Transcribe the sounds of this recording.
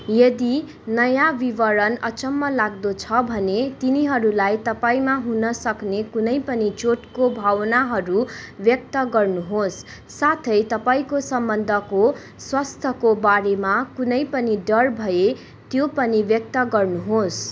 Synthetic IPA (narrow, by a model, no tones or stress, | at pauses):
jʌd̪i | nʌjabibʌɾʌnʌt͡sʌmːʌlaɡ̚d̪ot͡sʰʌbʱʌnet̪iniɦʌɾulajt̪ʌpaĩmaɦunʌsʌknekunʌjpʌnit͡soʈkobʱawʌnaɦʌɾubjʌk̚t̪ʌɡʌrnuɦosː | at̪ʰʌjt̪ʌpaĩkosʌmbʌnd̪ʱʌko | swast̪ʰʌkobaɾemakunʌjpʌniɖʌrbʱʌje | t̪jopʌnibjʌk̚t̪ʌɡʌrnuɦos